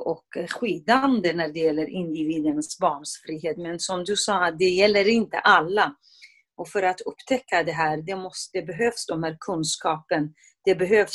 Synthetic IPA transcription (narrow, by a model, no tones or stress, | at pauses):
ɔkɧiːd̪and̪ənæɖɛjɛlːəɾʔɪnd̪ɪviːd̪ənsbɑːɳʂfɾiːɦeːt̪mɛnsɔmd̪ɵsɑːt̪̚d̪ɛjɛlːəɾɪnt̪ə̰ʔalːa | ʔɔfœɾat̪ɵpːt̪ʰɛkʰːad̪ɛɦæːɾd̪ɛmɔsd̪̥ɛbɛɦøːfsd̪ɔmhæːɾkʰɵnskɑːpən | d̪̥ɛbɛɦøːf